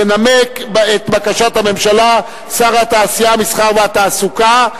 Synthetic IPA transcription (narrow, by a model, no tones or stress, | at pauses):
enamekbet̪bakaʃat̪hame̞mʃala | saʁhat̪aːsijamisχaʁveat̪aːsuka